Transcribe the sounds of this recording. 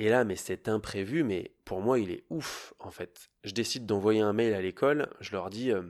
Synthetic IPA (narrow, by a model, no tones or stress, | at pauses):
elamɛsɛt̪ɛ̃pχevymɛ̰pʰuʁmwailɛ̰ufɑ̃fɛt̪ | ʒəd̪esid̪ːɑ̃vwajeɛ̃mɛjlalekʰɔlʒəlœʁd̪iø